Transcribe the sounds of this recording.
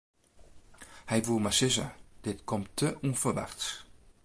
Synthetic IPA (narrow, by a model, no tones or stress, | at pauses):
hɛjʋumasɪzə̰d̥ɪtkʰɔmtʰːəʔufərʋa̰rt